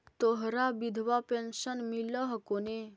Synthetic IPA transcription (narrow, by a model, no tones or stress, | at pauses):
t̪oɦɾabid̪ʱʋapensənmiləɦkone